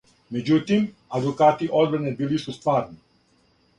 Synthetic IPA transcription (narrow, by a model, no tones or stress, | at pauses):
med͡ʒut̪im | ad̪ukaːt̪iʔɔlbɾɛnɛbilisust̪ʋaːɾni